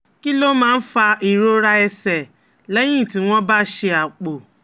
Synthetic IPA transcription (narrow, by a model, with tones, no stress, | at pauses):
ki˦lo˦mãː˦˧n̩˦fa˧i˨ɾo˦ɾa˦ɛ˧sɛ˨ | lɛ˦j̃ĩ˦˨ti˨˦w̃ɔ̃˦ba˦ʃe˧a˨k͡po˨